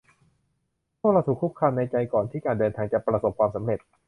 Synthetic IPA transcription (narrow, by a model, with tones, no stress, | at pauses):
p̪ʰu˥˩ɾa˧wt̪ʰːkʰːu˦˥p̚kʰaː˧mna˧jt͡ɕa˧jkɔː˨˩nt̪ʰiː˥˩kaː˧ndɤː˧nt̪ʰaː˧ŋt͡ɕa˨˩pɾa˧so˨˩p̚kʰwaː˧msa˩˦mɾe˨˩t̪̚